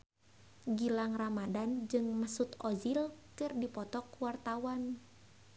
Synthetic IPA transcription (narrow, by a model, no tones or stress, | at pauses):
ɡilaŋramadand͡ʒɨŋmasut̪ɔzilkɨrdipɔt̪ɔkwart̪awan